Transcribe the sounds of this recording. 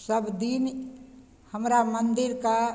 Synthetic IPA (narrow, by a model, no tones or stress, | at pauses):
səbd̪in | həmɾamənd̪ɪɾka